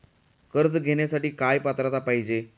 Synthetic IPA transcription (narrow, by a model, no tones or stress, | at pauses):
kəɾd͡zɡʱeɽ̃jasaʈiːkajpat̪ɾat̪apaɦid͡ʑe